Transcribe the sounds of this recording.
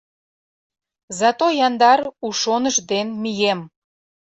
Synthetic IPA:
zɑt̪ojɑnd̪ɑɾuʃonəʃd̪enmijem

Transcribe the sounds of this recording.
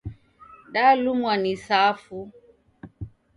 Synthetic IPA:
ɗalumwanisafu

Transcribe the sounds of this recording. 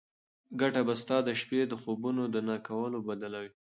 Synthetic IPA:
ɡaʈabast̪ɑd̪əʃped̪əxobunod̪ənakawəlobad̪alawi

